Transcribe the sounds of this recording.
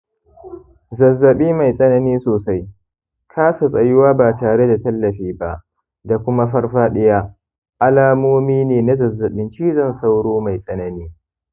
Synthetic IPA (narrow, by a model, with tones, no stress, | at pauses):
zɐ˨zːɐ˨ɓiː˦ma˨jsʼɐ˦nɐ˦niː˦soː˨sa˦j | kʰaː˦sa˨sʼɐ˨jɪ˦waː˦baː˨taː˨ɽe˦da˨tɐ˦lːɐ˨ɸiː˦ba˦ʔ | da˨kʷʊ˦ma˦ɸɐ˦rɸaː˦ɗɪ˦jaː˦ | ʔa˦laː˦moː˦miː˦neː˨na˦zɐ˨zːɐ˨ɓɪ˦nt͡ʃiː˦zɐ˦˨nsa˦wɽoː˦ma˨jsʼɐ˦nɐ˨niː˦